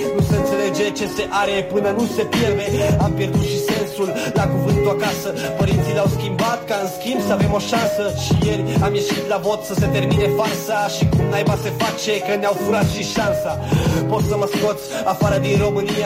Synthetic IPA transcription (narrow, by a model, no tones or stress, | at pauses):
nusəɨnt̪se̞led͡ʒe̞t͡ʃe̞seʔaɾe̞pɨnənusepjerd̪eampjerd̪ut̪ʃisensullakuvɨnt̪uakasəpəɾint̪silawskʲimbat̪kaɨnskʲimbsəave̞mo̞ʃansəʃijeɾʲamje̞ʃit̪lavo̞t̪səse̞t̪erminefarsaʃikumnajbasefat͡ʃekəneawfuɾat̪ʃiʃansa | po̞t̪səməsko̞t̪s | afaɾəd̪inro̞mɨnija